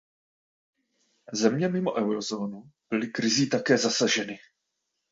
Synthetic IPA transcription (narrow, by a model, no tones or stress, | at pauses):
zɛmɲɛmɪmo̞ʔɛwɾozoːnub̥ɪlɪkɾɪziːt̪akɛːzasaʒɛnɪ